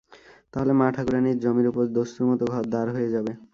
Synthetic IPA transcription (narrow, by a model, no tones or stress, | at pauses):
t̪aɦolemaʈʰaɡuɾaniɾd͡ʑomiɾupoɾd̪ost̪uɾmɔt̪oɡʱɔɾd̪aɾɦojed͡ʑabe